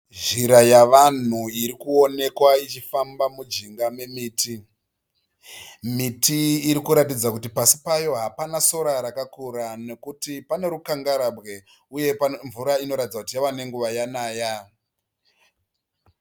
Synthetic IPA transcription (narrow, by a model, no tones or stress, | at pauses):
ʐiɾajaʋan̤uiɾikuo̞ne̞kwait͡ʃifambamud͡ʒiŋɡame̞miːtʰi | mitʰiːɾikuɾatid͡zakutipasi̥pajo̞ɦapanaso̞ɾaɾakakuɾane̞kutipane̞ɾukaŋɡaɾabɣe̞ | uje̞pɱvuɾaino̞ɾatid͡zakutijawane̞ŋɡuʋajanaːja